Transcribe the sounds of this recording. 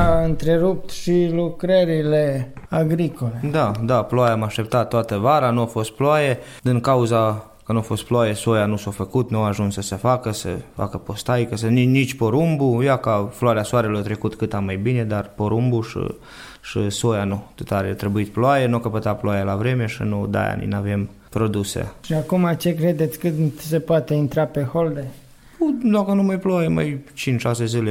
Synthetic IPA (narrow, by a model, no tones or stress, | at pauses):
aɨnt̪ɾeɾup̚t̪ʃilukɾəɾileaɡɾikoled̪ad̪aploajaamaʃt̪e̞p̚t̪at̪ːoat̪əvaɾanuafo̞st̪̚ploaje | d̪iŋkauza | kənuafo̞st̪ploajeso̞janusafəkut̪nuaaʒunssəsefakəsə̰fa̰kəpo̞st̪ajkəs̬əninit͡ʃʲpo̞ɾumbujakafloaɾeasoaɾe̞lort̪ɾe̞kut̪kɨt̪amajbine̞d̪arpo̞ɾumbuʃḭ | ʃiso̞janut̪ot̪aɾet̪ɾe̞buit̪ploajenuokəpət̪aploajelavɾe̞me̞ʃinud̪a̰ja̰nḭnave̞m | pɾo̞d̪usḛʃiakumat͡ʃe̞kɾed̪et̪sʲkɨsepoat̪e̞int̪ɾape̞hold̪e | pud̪akənumajploajema̰jt͡ʃint͡ʃʃase̞zɨle